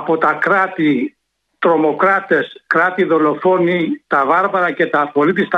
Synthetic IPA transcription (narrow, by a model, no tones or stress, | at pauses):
po̞t̪ɐkɾɐt̪i | t̪ɾo̞mo̞kɾɐt̪e̞skɾɐt̪iðo̞lo̞fo̞nit̪ɐvɐɾvɐɾɐce̞t̪ɐːfxo̞lit̪ist̪ɐ